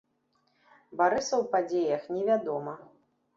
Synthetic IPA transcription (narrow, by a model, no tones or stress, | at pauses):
baɾɨsɐwpad͡zʲejɐxnʲɛvʲad̪ɔmɐ